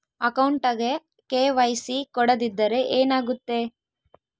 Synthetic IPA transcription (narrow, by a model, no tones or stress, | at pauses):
ɐkɐwɳʈɐɡe | keːʋɐjsikɔɽɐd̪id̪ːɐɾe̞ʔeːnaːɡut̪ːe̞